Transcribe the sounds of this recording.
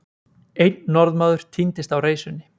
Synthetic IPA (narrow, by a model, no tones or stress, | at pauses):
ejnːɔɾðmaːðʏɾ̥t̪ʰint̪ɪst̪awreːjsʏnːɪ